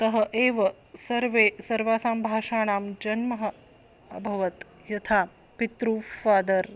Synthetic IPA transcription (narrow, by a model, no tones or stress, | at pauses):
t̪ɐɦɐʔeːʋɐ | sɐɾʋeːsɐɾʋaːsaːmbʱaːʃaːɽ̃aːmd͡ʒɐnmɐɦɐ̆ | ɐ̰bʱɐʋɐt̪ | jɐt̪ʰaː | pit̪ɾuːfaːd̪ɐɾ